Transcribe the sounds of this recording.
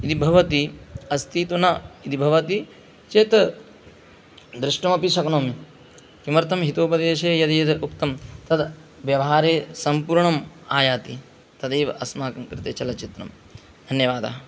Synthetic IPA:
id̪ibʱɐʋɐt̪iɐst̪ʰiːt̪unɐid̪ibʱɐʋɐt̪i | t͡ʃeːt̪ | d̪ɾɪʂʈɐmɐpiʃɐknoːmi | kimɐɾt̪ʰɐmɦit̪oːpɐd̪eːʃeːjɐd̪ɐjɐd̪ukt̪ɐmt̪ɐd̪ | ʋjɐʋɐɦaːɾeːsɐmpuːɾɳɐmaːjaːt̪i | t̪ɐd̪eːʋɐʔɐsmaːkɐmkɾɪt̪eːt͡ʃɐlɐt͡ʃit̪ɾɐ̰m | d̪ʱɐnjɐʋaːd̪a̰ɦɐ

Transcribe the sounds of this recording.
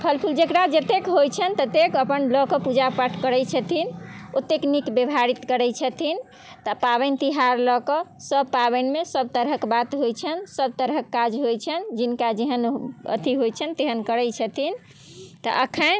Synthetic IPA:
pʰəlpʰuld͡ʒekɾad͡ʒət̪ekɦojt͡ʃʰənt̪ət̪ekəpənlɔkɔpud͡ʒapəʈʰkəɾɛjt͡ʃʰət̪ʰinot̪ːeknikbebʱaɾit̪kəɾɛt͡ʃʰət̪ʰin | t̪əpaβɛnt̪iɦaɾlɔkɔsəbpabənmesəb̚t̪əɾɦəkbat̪ɦojt͡ʃʰənsəb̚t̪əɾɦəkːad͡ʒɦojt͡ʃʰənd͡ʒinkad͡ʒeɦənə̰t̪iɦojt͡ʃʰənt̪eɦənkəɾɛt͡ʃʰət̪ʰin | t̪ə̰ʔəkʰən

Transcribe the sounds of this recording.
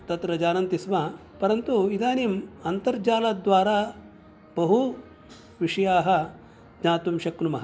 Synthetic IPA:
t̪ɐt̪ɾɐd͡ʒaːnɐnt̪isma | pɐɾɐnt̪uid̪aːnimɐnt̪ɐɾd͡ʒaːlad̪ʋaːɾaː | bɐɦu | ʋiʂɐjaːɦɐ̆ | d͡ʒnaːt̪umʃɐknumɐɦɐ

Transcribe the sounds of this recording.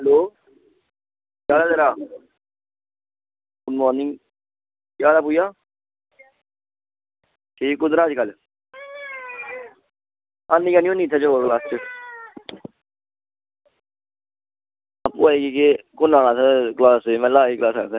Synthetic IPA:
ɦɛloː | jaːd̪aːd̪əɾaː | ʊnmɔːɾnɪ̃ŋɡ | jaːd̪aːpuːjaː | ʈʰiːkːʊd̪ɾãːd͡ʒkəl | aːnːiːkaniõːniːt̪ʰːaːt͡ʃoklaːst͡ʃə | apːuːaːeːkiːkekʊnãːɽ̃aːsɛklaːseːmɛ̃ːlaːiːklaːsaːsɛː

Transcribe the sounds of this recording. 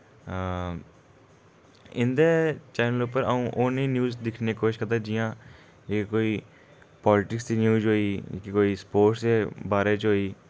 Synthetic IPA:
ɪnd̪eːt͡ʃɛːnəlʊpəɾəũːʔoːnĩːnjuːzd̪ɪkʰneːkoːʃkəɾd̪aːd͡ʒɪjãː | ekoːiː | pɔːlɪʈɪksd̪injuːd͡ʒɦoːiːkekoːiːspoːʈsd̪eːbaːɾeːt͡ʃɦoːiː

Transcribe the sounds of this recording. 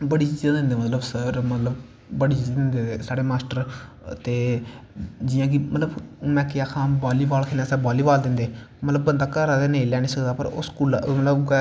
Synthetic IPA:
bəɽiːt͡ʃiːzãːd̪ɪ̃nd̪eːmət̪ləbsəɾmət̪ləb | bəɽiːt͡ʃiːzd̪ɪnd̪eːesaːɽeːmaːsʈəɾ | t̪eː | d͡ʒɪjãːk̬ɪmət̪ləbmɛ̃ːkɪjaːkʰãːbaːliːbaːlkʰenãːsɛːbaːliːbaːld̪ɪnd̪eː | mət̪ləbːənd̪aːkəɾaːd̪eːnəĩlɛːnĩːsəkd̪aːpəɾʊ̰skuːlmət̪ləb

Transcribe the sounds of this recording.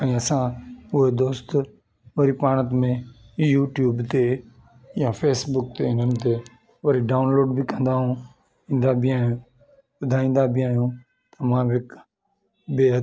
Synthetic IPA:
ɛ̃ːəsãːʊɦed̪oːst̪ | ʋəɾiːpaːɳ̃ət̪mẽː | juːʈjuːbt̪eː | jaːfeːsbʊk̚t̪eːɪ̃nənt̪eː | ʋəɾiɖaːʊnloːɖbʱikə̃nd̪aːɦũː | ĩːn̆d̪aːbʱɪaːɦjũː | bʊd̪ʱaːĩːn̆d̪aːbʱɪaːɦijũː | t̪ɐmãːʋɪk | beːɦ

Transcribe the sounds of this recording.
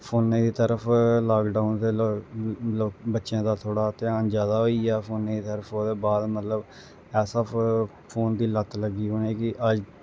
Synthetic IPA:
pʰoːnːẽːd̪iːt̪əɾəpʰlaːkɖaːʊnd̪eː | əobətːʃjãːd̪aːt̪ʰoːɽaːt̪eaːnd͡ʒjaːd̪aːɦoːiɛːpʰoːnːẽːd̪iːt̪əɾəpoːd̪eːbaːd̪mət̪ləb | ɛːsaː | pʰoːnd̪iːlət̪ləɡiːɦonẽːkɪʔəd͡ʒ

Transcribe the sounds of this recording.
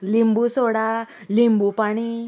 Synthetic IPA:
limbusoɽa | limbupaɽ̃i

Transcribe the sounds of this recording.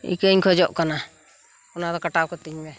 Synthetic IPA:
ḭkəɲkʰɔd͡ʒɔʔkana | kɔnad̪ɔkaʈawkɔt̪iɲbɛ

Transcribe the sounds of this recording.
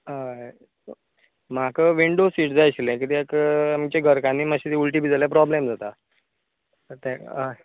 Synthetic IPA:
a | m̤akəʋiɳɖosiːʈd͡zajɕilɛ̃kit̪iekamt͡ɕeɡʱəɾkãnːiːmaɕit̪iulʈiːbid͡zaljapɾɔblemd͡zat̪a | t̪ãa

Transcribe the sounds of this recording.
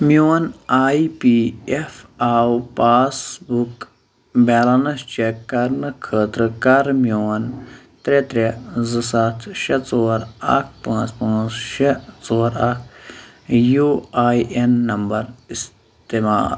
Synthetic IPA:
mjoːnaːipiefaːwpaːsbuk | bɛːlɐnɐst͡ʃekːɐɾnɨkʰəːt̪ɾɨkɐɾmjoːn | t̪ɾet̪ɾezɨsɐt̪ʰʃɐt͡soːɾɐ̰k̚ʰpãːt͡spãːt͡sʃet͡soːɾɐkʰ | juːaːjʔenːɐmbɐɾis | t̪ema̰ːl

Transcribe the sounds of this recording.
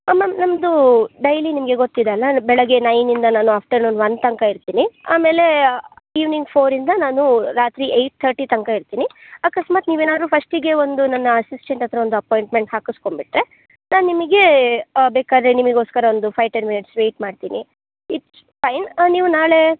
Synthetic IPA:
ɐmːɐnɐmd̪uɖɐjlinimɐɡe̞ɡot̪ːid̪eɐlːɐbɛɭɐɡenɐjnind̪ɐnaːnuaːp̚ʰʈɐɾnond̪ʋɐnt̪ɐŋkaiɾt̪iːnia̰ːme̞ːle̞iːʋniŋɡpʰoːɾind̪ɐnaːnuɾaːt̪ɾiʔejʈ̚t̪ʰɐɾʈit̪ɐŋkaiɾt̪iːniakɐsmaːt̪niːʋeːnaːd̪ɾupʰɐsʈiɡe̞o̞nd̪unɐnːɐɐsisʈeɳʈɐt̪ɾɐond̪uɐpoːjɳʈme̞ɳʈhaːkusko̞mbiʈɾe̞ | naːnnːimɐɡe̞beːkaːd̪ɾenimɐɡoːskɐɾɐond̪upʰɐjʈenminiʈsʋe̞ːʈmaːɖt̪ḭːnʔi | iʈ | pʰɐjnniːʋunaːɭe̞

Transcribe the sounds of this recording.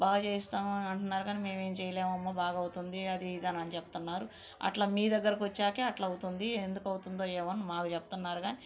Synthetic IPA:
baːɡɐt͡ʃeːist̪aːmɐɳʈunːaːɾuɡaːnime̞ːme̞ːmt͡ʃɛjɐleːmɐmːabaːɡɐwut̪und̪iɐd̪id̪ɐnɐnit͡ʃeput̪unːaːɾu | ɐ̰ʈlaːmiːd̪ɐɡːɐɾɐkiʋɐt͡ʃːaːkeɐʈlɐɐwt̪und̪iend̪ukɐwut̪und̪o̞ːjɛːʋɐnːumaːkut͡ʃeput̪unːaːɾuɡaːnii

